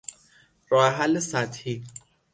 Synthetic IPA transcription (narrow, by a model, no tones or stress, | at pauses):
ɾɒːheɦælːesæt̪hiː